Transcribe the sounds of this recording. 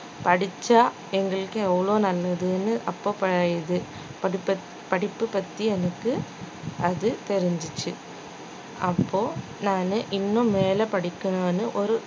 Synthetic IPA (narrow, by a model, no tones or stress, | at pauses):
pɐɽɪt͡ʃːaː | ɛŋɡɐɭɯkːɯɛʋːɐɭoːnɐlːɐðɯnɯʔɐpːoːpɐjɐðɯ | ɐ | pɐɽɪpːɯpɐt̪ːiɛnɐkːɯ | ʔɐðɯt̪ɛɾɪɲd͡ʒɪt͡ʃːɯ | ʔɐpːoː | naːnɯʔɪnːʊ̃meːlɐpɐɽɪkːɐnoːnɯʔɔɾɯ